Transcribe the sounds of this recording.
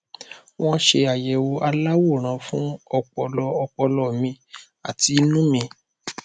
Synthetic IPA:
w̃ɔ̃˦ʃe˧a˨jɛ˨wo˧a˧la˦wo˦˨ɾ̃ã˨˧fũ˦ɔ˧k͡pɔ˧lɔ˧ɔ˧k͡pɔ˧lɔ˨mĩ˧ | a˨ti˨˧˦nũ˦mĩ˧

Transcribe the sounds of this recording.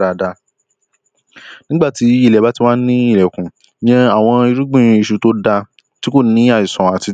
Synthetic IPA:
ɾa˧da˧ | nĩ˦ɡ͡ba˦˨ti˨˦i˦˨lɛ˨ba˨˦ti˦wa˦nĩ˦i˦˨lɛ˨kũ˨ | jɛ̃˧a˦˨w̃ɔ̃˧i˧ɾu˦ɡ͡bĩ˦˨ĩ˧i˧ʃu˧to˦da˧ | ti˦ko˦˨nĩ˦a˦˨i˨sɔ̃˨a˨ti˧

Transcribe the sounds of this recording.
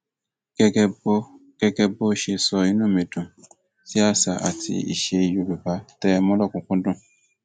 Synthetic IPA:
ɡɛ˧ɡb | ɡ̥ɛ˧ɡɛ˧bo˦ʃe˧sɔ˧ĩ˨˦nũ˦˨me˨dʊ̃˨ | si˦a˦˨sa˨ʔa̰˨tḭ˧ḭ˨ʃe˧i˧˨jo˧˨be˨ba˨˦tɛ˦˧mɔ̃˦lɔ˦˨kũ˨˦kũ˦dũ˦˨

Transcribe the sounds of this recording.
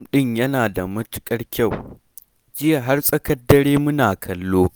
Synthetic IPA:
ɗɪ˦˨ɲjɐ˦naː˨da˨mɐ˦tʊ̥˦kʼɐ˦rkʲa˦˨w | d͡ʒɪ˦ja˨ɦa˦rsʼɐ˦kɐ˦dːɐ˦ɾeː˦mʊ˦naː˨kʰɐ˨lːoː˦

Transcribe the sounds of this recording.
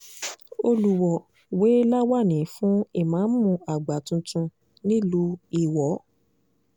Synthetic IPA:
o˧lu˨˧wɔ˨ | we˨˦la˦wa˦˨nĩ˨˦fũ˨˦i˦˨mãː˨˦n̩˦mũ˧a˨ɡ͡ba˨tũ˧tũ˧ | nĩ˦lu˦i˨wɔ˨˦

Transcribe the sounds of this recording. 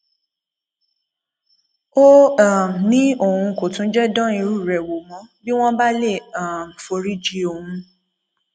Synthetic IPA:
o˦a˦˨m˨nĩ˦o˦˨hũ˧ko˨tũ˨˦d͡ʒɛ˦dɔ̃˦i˧ɾu˦˨ɾɛ˨wo˨mɔ̃˨˦bi˦w̃ɔ̃˦ba˦le˦˨a˨m˨fo˧ɾi˦d͡ʒi˧o˨hũ˧

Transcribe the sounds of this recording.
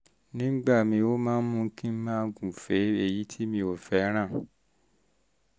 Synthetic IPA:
nĩ˦ɡ͡ba˦˨mĩ˧o˦mãː˦n̩˦mũ˧˦kĩ˦mãː˦ɡũ˨fe˨˦e˧˨ji˨˦tʰi˦mĩ˧o˦˨fɛ˨˦ɾ̃ã˦˨

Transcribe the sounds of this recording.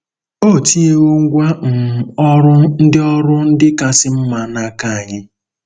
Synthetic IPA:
o˦˨ti˦e˦o˦ŋ˦ɡʷa˦ŋ̩˨ɔ˦ɾʊ˦n̩˦dɪ˦ɔ˦ɾʊ˦n̩˦dɪ˦ka˦sɪ˦m̩˦ma˨na˦˨ka˦a˨ɲɪ˦

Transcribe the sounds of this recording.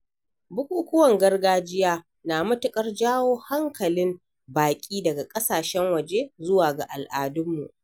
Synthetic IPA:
bʊ˦kʷʼuː˦kʷʊ˦wɐ˨ŋɡɐ˦rɡaː˦d͡ʒɪ˦jaː˦ | naː˨mʊ˦tʊ˨kʼɐ˦rd͡ʒaː˦woː˦ha˦ŋkɐ˨lɪ˦m | baː˨kʲʼiː˦dɐ˨ɡa˨kʼɐ˦saː˨ʃɛ˦ŋwɐ˨d͡ʒe˦zʊ˦waː˨ɡa̰˨ʔa˨lʔaː˨dʊ˦mːṵ˨ʔ

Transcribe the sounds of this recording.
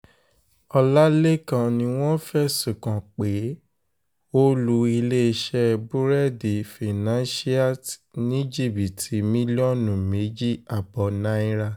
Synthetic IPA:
ɔ˧la˦le˦kã˦˨nĩ˧˦w̃ɔ̃˦fɛ˦su˨kã˨k͡pe˨˦ | o˦lu˧i˧le˦˧ʃɛ˦˧bu˦ɾɛ˦˨di˨fi˨nã˦ʃi˦a˦˨tnĩ˦d͡ʒi˦˨bi˨tʰi˨˦mĩ˦li˦ɔ˦˨nũ˨me˨˦d͡ʒi˦a˨bɔ˨nã˦i˦ɾa˦˧

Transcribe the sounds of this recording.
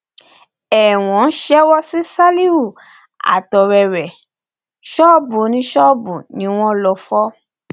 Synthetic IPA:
ɛ˨w̃ɔ̃˨˦ʃɛ˦wɔ˦si˦sa˦li˦u˦˨ | a̰˨tɔ˨ɾɛ˨ɾɛ˨ | ʃɔ˦bu˨˦nĩ˧˦ʃɔ˦bu˨nĩ˨˦w̃ɔ̃˦lɔ˧fɔ˦

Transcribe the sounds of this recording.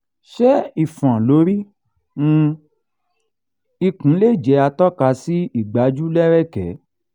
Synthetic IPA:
ʃɛ˦i˨fã˨lo˨˦ɾĩ˦˧ | i˧kũ˨˦le˦˨d͡ʒɛ˨˦a˧tɔ˦ka˧si˦i˦˨ɡ͡ba˨˦d͡ʒu˦lɛ˦ɾɛ˦˨kɛ˨˦

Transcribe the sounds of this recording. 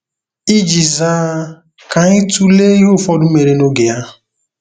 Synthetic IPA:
i˦d͡ʒi˨zaː˦ | ka˨ɲɪ˦tu˦le˦i˦ɦʊ˦˨fɔ˦dʊ˦me˨ɾe˦no˦ɡe˨ja˦

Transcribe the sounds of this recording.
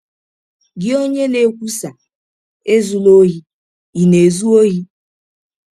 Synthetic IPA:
ɡɪ˦o˦ɲe˦ne˨˦kʷu˦sa˨ | e˦zu˦lo˦ɦi˦ | i˨ne˨zu˦o˦ɦi˦

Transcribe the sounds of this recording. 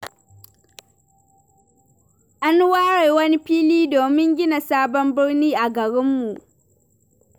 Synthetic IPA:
ʔa˦n˦waː˦ɽe˨jwɐ˦ni˦ɸiː˦liː˦doː˨mɪ˦ŋɡʲɪ˦na˨saː˦bɔ˦mbɪ˦ɽniː˦ʔa˨ɡɐ˨ɽɪ˦mːu˨ʔ

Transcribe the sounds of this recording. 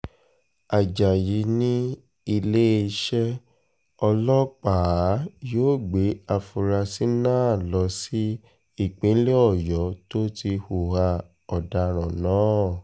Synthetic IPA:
a˨d͡ʒa˨ji˨˦nĩ˦ | i˧le˦˧ʃɛ˦ | ɔ˧lɔ˦k͡paː˨˦joː˦˨ɡ͡be˨˦a˧fu˧ɾa˧si˦nãː˦˨˦lɔ˧˦si˦ | i˦˨k͡pĩ˨˦le˦ɔ˦˨jɔ˨˦to˦ti˧hu˨ha˧ | ɔ˨da˧ɾ̃ɔ̃˨nãː˨˦˨

